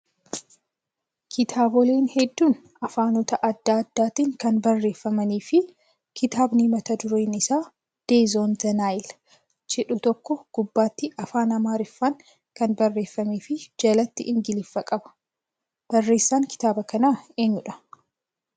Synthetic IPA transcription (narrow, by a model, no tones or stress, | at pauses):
kʰɪt̪ʰaːbɔleːnhɛd̪ːuːn | ɐfaːnɔt̪ɐʔɐd̪ːaːd̪ːaːt̪iːŋkɐnbɐrːe̞ːfːɐmɐniːfɪ | kʰɪt̪aːbnimɐt̪ɐd̪ʊɾe̞ːnɪsaː | d̪̥e̞ːzoːnzɐnaːɪl | d͡ʒɪᶑʊt̪ɔkːɔɡ̥ʊbːaːt̪ːɪʔɐfaːnɐmaːɾɪfːaŋ | kɐnbɐrːe̞ːfːɐmeːfɪd͡ʒɐlɐt̪ːɪʔɪŋɡɪlɪfːɐkʼɐbɐ̥ | b̥ɐrːe̞ːsːaːŋkɪ̥t̪aːbɐkɐnaːe̞ːɲːʊᶑɐ̥